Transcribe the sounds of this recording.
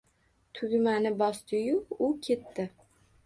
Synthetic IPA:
t̪ʰʊɡʲmanɪbɒst̪ʰɪjʊʊkʲʰe̞t̪ːɪ

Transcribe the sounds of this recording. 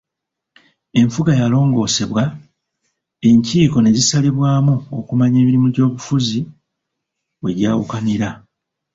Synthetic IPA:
e̞ɱfuɡajalo̞ːŋɡo̞ːse̞βwa | e̞ɲciːko̞ne̞zisaliβwaːmuokumaɲe̞ːβiɾimuɟo̞ːβufuzi | we̞ɟaːwṵkaniɾa

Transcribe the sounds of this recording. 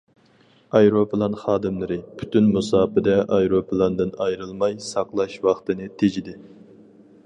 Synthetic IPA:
ɑjɾopʰɨlˠɑnχɑːd̪ɨmlˠɨɾɪpʰy̥t̪ʰynmusɑːpɨd̪ɛʔɑjɾopʰɨlˠɑnd̪ɨnɑjɾɨlˠmɑjsɑqlˠɑʃwɑχt̪ɨnɨt̪ʰed͡ʒid̪ɪ

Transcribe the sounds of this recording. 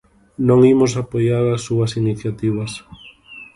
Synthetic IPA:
nõŋimʊsapojaɾasːuɐsiniθjat̪iβ̞ɐs

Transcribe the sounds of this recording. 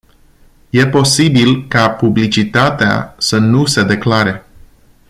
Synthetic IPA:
je̞po̞sibilkapublit͡ʃit̪at̪ea̰sənuse̞d̪e̞klaɾe̞

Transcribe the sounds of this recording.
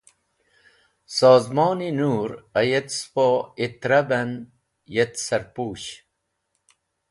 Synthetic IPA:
saːzmoːninuːɾɐjet̪spoit̪ɾɐbɐn | jet̪sɐɾpuːɕ

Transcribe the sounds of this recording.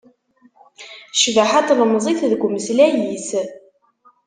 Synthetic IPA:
ʃvaħat̪ləmzˤiθðəɡʷməslæjiθ

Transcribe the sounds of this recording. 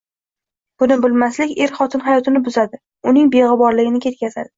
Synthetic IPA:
b̥ʊnɪbʊlˠmaslɪkʲe̞ɾχɒt̪ʰɪnχajɒt̪ʰɪnɪbʊzad̪ɪ | ʊnɪŋbe̞ʁɨbɒɾlɪɡʲɪnɪkʲʰe̞t̪̚kʲazad̪ɪ

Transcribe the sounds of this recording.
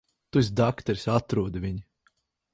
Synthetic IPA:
t̪usd̪akt̪ɛɾʲsʲat̪ɾuɔd̪vʲiɲ

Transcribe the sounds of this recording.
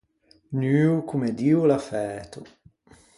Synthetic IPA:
nyːukumed̪iːulafɛːt̪o

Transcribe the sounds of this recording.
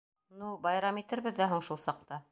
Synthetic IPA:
nubɑjɾɑmit̪ɘɾβɘ̆ðːæɦuɴʃulˠsɑq̚t̪ɑ

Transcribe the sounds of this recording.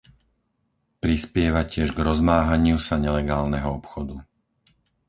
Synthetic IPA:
pɾispɪɛʋacɪɛʒɡɾɔzmaːɦaɲɪusaɲɛlɛɡaːlnɛɦɔɔpxɔd̪u

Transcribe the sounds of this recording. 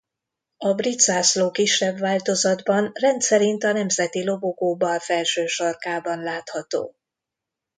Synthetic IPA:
ɒbrit̪z̥aːsloːkiʃːɛbːaːlt̪o̞zɒd̪bɒnrɛnt̪sɛɾint̪ɒnɛmzɛt̪ilo̞boɡoːbɒlfɛlʃøːʃɒrkaːbɒnlaːt̪hɒt̪o̰ː

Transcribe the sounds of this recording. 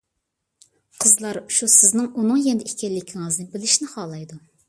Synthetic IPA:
qʰəzlˠɑɾʃusɪznɨŋunɨŋjɛnd̪ɪikʲʰɛlːɪkʲʰiŋɨznɪbɪlɪʃnɪχɑːlˠɑjd̪u

